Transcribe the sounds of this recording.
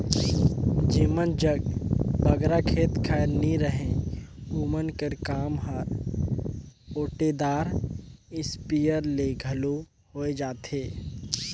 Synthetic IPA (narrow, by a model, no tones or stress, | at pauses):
d͡ʒiːmənd͡ʒəɡbəɡɾakʰeːt̪kʰɛːɾniɾəɦẽ | uːmənkəɾkaːmɦəɾ | oːʈed̪aːɾɪspijəɾleɡʱɐlo | hoːed͡ʒaːt̪eː